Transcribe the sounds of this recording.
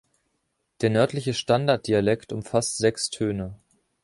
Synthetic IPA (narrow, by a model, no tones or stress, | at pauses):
d̥eːɐnœɐtlɪçəʃtandaɐt̚d̥ialɛktʊmfastz̥ɛkstʰøːnə